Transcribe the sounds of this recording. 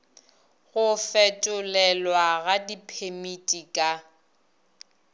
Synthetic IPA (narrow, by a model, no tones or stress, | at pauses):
ɣʊfɛtʼʊlɛlwaɣadipʰemitʼikʼa